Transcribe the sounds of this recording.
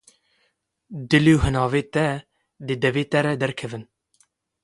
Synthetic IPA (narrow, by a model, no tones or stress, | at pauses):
d̪ɨleuhɨnɑːveːt̪ɛ | d̪ɨd̪ɛveːt̪ɛɾɛd̪ɛɾkʰɛvɨn